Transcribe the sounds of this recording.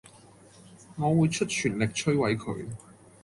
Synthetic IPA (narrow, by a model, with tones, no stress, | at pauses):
ŋɔː˨˧wuː˨˧jt͡ʃʰɵ˥t̚t͡ʃʰyː˨˩nlɪ˨k̚t͡ʃʰɵ˥ɥwɐ˨˥jkʰɵ̰˨˧ɥ